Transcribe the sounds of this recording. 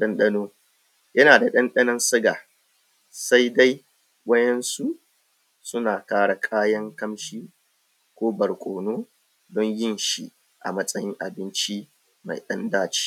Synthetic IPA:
ɗɐ˦nɗɐ˦noː˦ | jɐ˦naː˨da˨ɗɐ˦nɗɐ˦nɐ˦nsʊ˦ɡa̰ː˨ | sa˦jda˦j | wʷɐ˦jɛ˦nsu˦ | sʊ˦naː˨kaː˦ɽa˨kʼaː˦jɐ˦ŋkɐ˦mʃiː˦ | kʷoː˦bɐ˨ɽkʷʼoː˨noː˦ | dɔ˦ɲjɪ˦nʃi˨ | ʔa̰˨mɐ˦sʼɐ˦jɪ˦ŋʔa̰˨bɪ˦nt͡ʃi˦ | ma̰˨jɗɐ˦ndaː˦˨t͡ʃi̥ː˦

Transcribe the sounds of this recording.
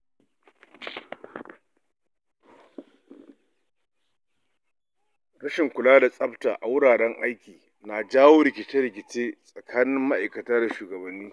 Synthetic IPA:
ɽɐ˦ʃɪ˨ŋkʷʊ˨laː˦da˨sʼɐ˦btaː˨ʔa˨wʊ˦ɽaː˨ɽɛ˦ŋʔa˦jkʲiː˨ | naː˨d͡ʒaː˦woː˦ɾɪ˨kʲɪ˨t͡ʃe˦ɾɪ˨k̬ʲɪ˨t͡ʃeː˦sʼɐ˨kʰaː˦nɪ˦mːa˦ʔa˨jkɐ˨taː˦da˨ʃuː˨ɡɐ˨bɐ˨nːiː˦

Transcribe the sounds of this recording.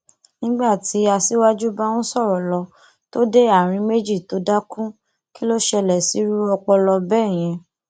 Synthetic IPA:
nĩ˦ɡ͡ba˦˨ti˨˦a˧si˦wa˦d͡ʒu˦ba˦wũ˦sɔ˦˨ɾɔ˨lɔ˧ | to˦de˦a˦˨ɾ̃ĩ˧me˦d͡ʒi˦˨to˨˦da˦kũ˦ | ki˦lo˦ʃɛ˧lɛ˨si˨˦ɾu˦ɾɔ˧k͡pɔ˧lɔ˧bɛː˦˨j̃ɛ̃˧

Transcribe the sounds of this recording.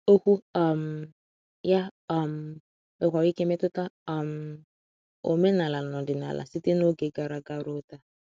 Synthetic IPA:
o˦ku˦a˨m̩˨ | ja˦a˨m̩˨ | ɪ˨kʷa˨wi˦ke˦me˦tʊ˦ta˦a˨m̩˨ | o˨me˦na˨la˨nɔ˨dɪ˨na̰˨la̰˨si˦te˦no˦ɡe˨ɡa˨ɾa˨ɡa˦ɾʊ˦ta˦

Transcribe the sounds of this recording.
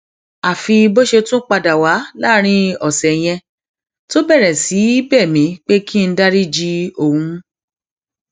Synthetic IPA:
a˨fi˧bo˦ʃe˧tũ˦k͡pa˧da˨wa˨˦la˦ɾ̃ĩ˧ɔ˨sɛ˨j̃ɛ̃˧ | to˦bɛ˦˨ɾɛ˨si˨˦i˦bɛː˦˨mĩ˨˦k͡pe˦kʰi˦˧n̩˦da˦ɾi˦d͡ʒi˦o˨wũ˨˧˦

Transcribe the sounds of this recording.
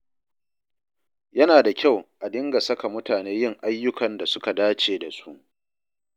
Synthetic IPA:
jɐ˦naː˨da˨kʲa˦˨wʔa˨dɪ˦ŋɡa˨sɐ˦ka˨mʊ˦taː˨neː˦jɪ˦˨ŋʔa˦jːʊ˦kɐ˨nda˨sʊ˦ka˨daː˦t͡ʃeː˨da˨su˦ʔ

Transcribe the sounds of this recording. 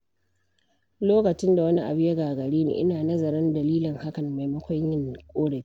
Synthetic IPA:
loː˦kɐ˨t͡ʃɪ˦nda˨wɐ˦ni˦ʔa̰˨bɪ˦ja˦ɡaː˨ɡɐ˨ɽeː˦nḭ˨ʔɪ˦naː˨nɐ˦zɐ˨ɾɐ˦ndɐ˨liː˦lɪ˨ŋha˦kɐ˨mːa˨jmɐ˦kʷɔ˦ɲjɪ˦ŋkʷʼoː˦ɽe˨ki˦

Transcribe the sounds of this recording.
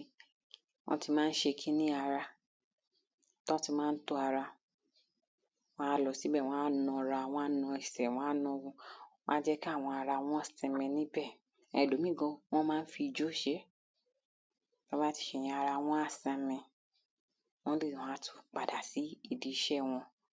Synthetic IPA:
w̃ʔɔ̰̃˦ti˧mãː˦n̩˦ʃe˧kʰĩ˦nĩ˦a˧ɾa˧ | tɔ˦ti˧mãː˦n̩˦to˧˦a˧ɾa˧ | wɔ̃˦a˦˧lɔ˧si˨˦bɛ˦˨w̃ɔ̃˧˦a˦nɔ̃˧ɾa˧˨w̃ɔ̃˧a˦nɔ̃˧i˨sɛ˨w̃ɔ̃˨˦a˦nɔ̃˧ɡũ˧˦mã̰˦d͡ʒɛ˦ki˦a˦˨w̃ɔ̃˧a˧ɾa˧w̃ɔ̃˦a˦˨sɛ̃˧mɛ̃˧nĩ˦bɛ˦˨ | ɛ̰˨lo˨˦mĩ˦˨ɡɔ̃˧w̃ɔ̃˦mãː˦˧n̩˦fi˧i˧d͡ʒo˦˨ʃe˦ | b̥a˦ba˦ti̥˧ʃe˧˨j̃ĩ˧a˧ɾa˧w̃ɔ̃˦a˦˨sɛ̃˧mɛ̃˧ | w̃ɔ̃˦de˦˨ɔ̃˨˦a˦tu̥˧k͡pa˨da˨si˨˦i˧˨di˧˨ʃɛ˦˨w̃ɔ̃˧

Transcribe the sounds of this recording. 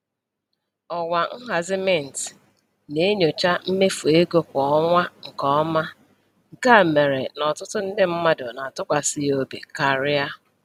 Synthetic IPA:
ɔ˨wʷa˨ŋ̩˦ɦa˨zɪ˦me˦˨n̩˨t | ne˨˦ɲo˨t͡ʃa˦m̩˦me˦fu˨e˦ɡo˦kʷɔ˨ɔ˦ŋʷa˦ŋ̩˨kɔ˦ɔ˦ma˦˨ | ɡa˦˨me˨ɾe˨nɔ˨tʊ˦tʊ˦n̩˦dɪ˦m̩˦ma˦dʊ˨na˨tʊ˦kʷa˨sɪ˦jo˦bḛ˨ka˨ɾɪ˦a˦

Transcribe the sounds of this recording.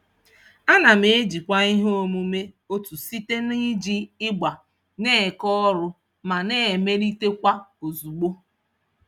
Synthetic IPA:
a˦na˨m̩e˨e˦d͡ʒi˨kʷa˦i˦ɦo˦mu˨me˦ | o˦tu˨si˦te˦ni˦d͡ʒi˦ɪ˦ɡ͡ba˨ | ne˦˨kɔ˦ɔ˦ɾʊ˦ | ma˨ne˦˨me˦ɾi˦te˦kʷa˦o˨zu˨ɡ͡bo˦

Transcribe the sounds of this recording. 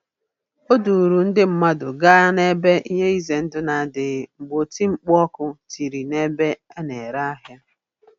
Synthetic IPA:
o˦du˨ɾu˨n̩˦dɪ˦m̩˦ma˦dʊ̰˨ɡa˦ne˦be˦i˦ɲe˦i˦ze˨n̩˦dʊ˦na˨˦˨dɪ˨ŋ͡m̩˨ɡ͡bo˨ti˦ŋ͡m̩˦k͡pɔ˦kʊ˦ti˨ɾi˨ne˦be˦ɛ˦ne˨ɾa˦a˦ɦja˦

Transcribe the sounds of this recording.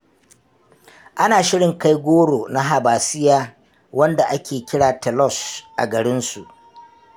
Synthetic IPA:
ʔa˦naː˨ʃɪ˦ɽɪ˨ŋka˦jɡʷoː˦ɽoː˨na˦ɦa˨baː˨sɪ˦jaː˦ | wɐ˦nda˨ʔa˦kʲeː˨kʲɪ˦ɽaː˨tɛ˨lɔ˦˨sʔa̰˨ɡɐ˨ɽɪ˦nsu˨ʔ

